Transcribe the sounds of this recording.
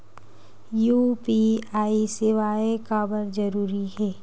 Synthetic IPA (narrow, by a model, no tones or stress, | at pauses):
juːpiaːisɪʋaːekaːbəɾd͡ʒɐɾuːɾiɦɛː